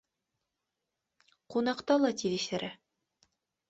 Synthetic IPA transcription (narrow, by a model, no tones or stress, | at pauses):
qunɑqt̪ɑlˠɑt̪iðĭʃæɾæ